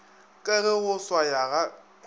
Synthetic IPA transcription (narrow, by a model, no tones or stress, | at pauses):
kʼɛɣɪɣʊswajaɣa